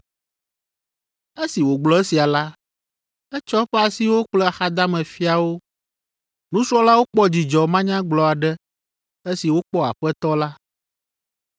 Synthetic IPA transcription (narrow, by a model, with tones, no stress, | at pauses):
e˦si˨wo˨ɡ͡blɔ˨˦e˦si˨a˨la˦ | ɛ˦t͡ʃɔ˦ɸɛ˦a˨si˦wo˦k͡plɛ˦a˨xa˦d̪a˦mɛ̃˨fi˦a˨wo˦ | nũ˦sɔ˦la˦wo˦k͡pɔ˦d͡ʑi˨d͡ʒɔ˨mã˦ɲã˦ɡ͡blɔ˨a˨ɖɛ˦ | e˦si˨wo˦k͡pɔ˦a̰˨ɸɛ˦t̪ɔ˦la˦